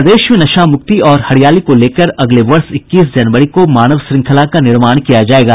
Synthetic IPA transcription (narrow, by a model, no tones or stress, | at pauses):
d̪eːʃmẽnɐʃaːmʊk̚t̪iɔːɾhɐɽijaːlikoleːkəɾɐɡleʋɐɾsɪkːiːs̬d͡ʒɐnʋəɾikomaːnəʋsɾɪ̃ŋkʰəlakanɪɾmaːɽ̃kijad͡ʒaːeːɡaː